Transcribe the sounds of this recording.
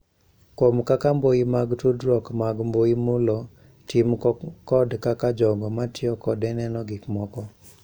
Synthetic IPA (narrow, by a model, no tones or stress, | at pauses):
komkakamboimaɡtudɾɔkmaɡmboimulɔ | timkɔdkakad͡ʒɔŋɡɔmatɪɔkɔdɛnɛnɔɡɪkmɔkɔ